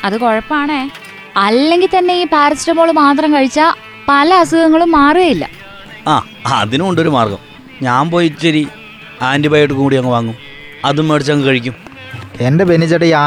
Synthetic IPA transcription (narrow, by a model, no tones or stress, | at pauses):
ɐðɨko̞ɻɐpːɐaːɳeː | ɐlːe̞ŋɡilt̪ɐnːe̞iːpaːɾɐsiɾɐmoːɭumaːt̪rɐmkɐɻit͡ɕːɐ | pɐlɐɐsuɣɐŋːɐɭumːaːruɣɐjilːɐ̰ | aː | ɐðinuoɳɖo̞ɾumaːrɡɐ̰m | ɲaːmpoːjit͡ɕːɐɾi | aːndibaːjeʈːɨkuːɽijɐŋːɐʋaːŋːum | ɐðumːeɽit͡ɕːaːŋːɨkɐɻikʲːum | endepenit͡ɕːɐʈːejaː